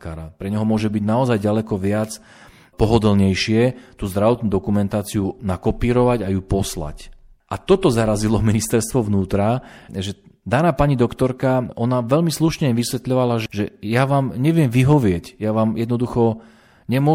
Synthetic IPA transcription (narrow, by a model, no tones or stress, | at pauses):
kaːɾapɾɛɲɛɦɔmʊɔʒɛbiɟnaɔzajɟalɛkɔʋɪat͡s | pɔɦɔd̪l̩ɲɛjʃɪɛt̪uːzd̪ɾaʋɔt̪nuːd̪ɔkumɛnt̪aːt͡siunakɔpiːɾɔʋaɟajupɔsla̰c | ʔat̪ɔt̪ɔzaɾazilɔminist̪ɛɾst̪ʋɔʋnuːt̪ɾaʒɛ | d̪aːnaːpaɲid̪ɔkt̪ɔɾkaʔɔnaʋɛʎmisluʃɲɛʋisʋɛt̪ʎɔʋalaʒʒɛjaʋaːmɲɛʋɪɛmʋiɦɔʋɪɛcjaʋaːmjɛd̪nɔd̪uxɔ | ɲɛmʊɔ